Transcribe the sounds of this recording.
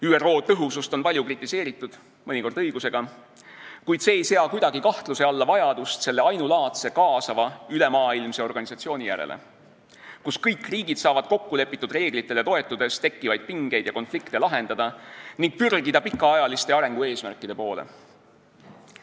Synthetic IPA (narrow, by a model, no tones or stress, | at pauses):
yːero̞ːt̪ɤɦusust̪o̞npɑlʲjukrit̪ːˑise̞ːɾit̪ːˑud̪̥ | mɤnʲiko̞rd̪ɤjɡ̥use̞ɡ̥ɑ | kujd̪̥se̞ːejseɑkujd̪ɑɡ̥ikɑht̪luse̞ɑlːɑvɑjɑd̪ust̪se̞lːe̞ɑjnulɑːt̪se̞kɑːsɑvɑyle̞mɑːilmse̞o̞rɡ̥ɑnisɑt̪sio̞ːnʲijæ̰ɾḛlʔḛ | kuskɤjkːriːɡ̥id̪sɑːvɑd̪̚ko̞kːule̞pːˑit̪ːˑud̪re̞ːɡ̥lit̪ːˑe̞le̞t̪o̞e̞t̪ːˑud̪̥e̞st̪e̞kːivɑjd̪̥̚piŋɡ̥e̞jd̪jɑko̞nflikt̪e̞lɑɦe̞nd̪ɑd̪̥ɑniŋɡ̥̚pyrɡ̥id̪ɑpikːˑɑɑjɑlist̪e̞ɑɾe̞ŋɡ̥ue̞ːsmærkːˑid̪̥e̞po̞ːlḛ